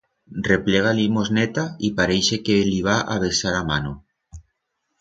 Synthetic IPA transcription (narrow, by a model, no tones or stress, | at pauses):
repleɣ̞alimoznet̪aipaɾejʃekeliβaʔa̰β̞esaɾamano